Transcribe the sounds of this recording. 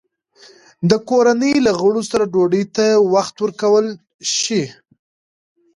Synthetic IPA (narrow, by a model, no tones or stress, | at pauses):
d̪əkoɾanəjlaɣəɽosaɾaɖoɖəjt̪awaxt̪wəɾkawəl | ʃi